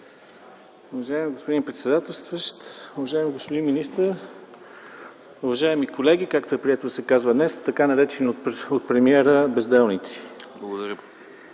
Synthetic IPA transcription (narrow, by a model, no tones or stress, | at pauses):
ʊvɐʒaɛmiɡospod̪inpɾɛt̪sɛd̪at̪əlˠst̪vəʃt̪ʊvɐʒaɛmiɡospod̪inminist̪əɾ | uvɐʒaɛmikolɛɡikakt̪oɛpɾiɛt̪osɛkazvəd̪nɛst̪ɐkanɐɾɛt͡ʃɛnioot̪̚pɾɛmiɛɾəbɛzd̪ɛlˠnit̪si̥blˠɐɡod̪ɐɾʲə